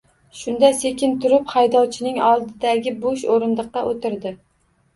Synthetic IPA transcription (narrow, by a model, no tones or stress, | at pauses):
ʃʊnd̪ase̞kʲɪnt̪ʰʊɾɪphajd̪ɒwt͡ʃʰɪnɪŋɒlˠd̪ɪd̪aɡʲɪbʊʃoɾɪnd̪ɨqːɑʔot̪ʰɪɾd̪ɪ